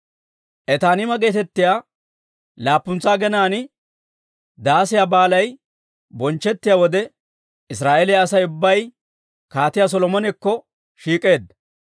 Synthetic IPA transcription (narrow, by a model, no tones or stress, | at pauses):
ʔɛt̪aːnɪmɐɡe̞ːt̪ɛt̪ːɪjaː | laːpːʊnt͡sːaːɡɛnaːnɪ | d̪aːsɪjabaːlɐj | bɔnt͡ʃːɛt̪ːɪjaːwɔd̪ɛ | ɪsɾaːʔɛlɪjɐːsɐjʊbːɐj | kaːt̪ɪjas̬ɔlɔmɔnɛkːɔ | ʃiːkʼe̞ːd̪ɐ